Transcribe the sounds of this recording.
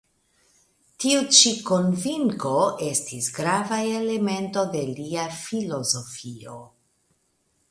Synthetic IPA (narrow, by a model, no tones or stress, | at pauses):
tiut͡ʃiko̞nviŋko̞e̞stisɡɾavaele̞me̞nto̞de̞liafilo̞zo̞fio̞̰